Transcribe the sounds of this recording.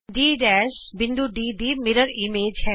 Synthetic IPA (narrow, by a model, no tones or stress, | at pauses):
ɖiːɖɛːʃbɪ̃nd̪uɖiːd̪iːmeɾəɾimeːd͡ʒhɛ